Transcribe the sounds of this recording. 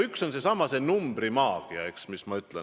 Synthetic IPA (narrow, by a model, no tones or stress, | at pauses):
ykso̞nse̞sɑmɑse̞numbɾimɑːɡ̥iɑ̰eksmismɑyt̪ˑlḛn